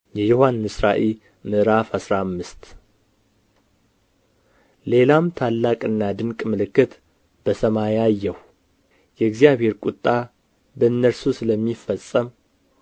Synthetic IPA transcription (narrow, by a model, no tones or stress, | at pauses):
jɛjohanːɨsɾaʔel | mɨʔɾafhasɾamːɨst̪ | le̞lamt̪ʰalːakʼɨnːad̪ɨŋkʼmɨlɨkːɨt̪ | bəsəmajajːɛhu | jɛɨɡzijaβhe̞ɾkʼut̪ʼːa | bəɨnːəɾsusɨləmːifəsʼəm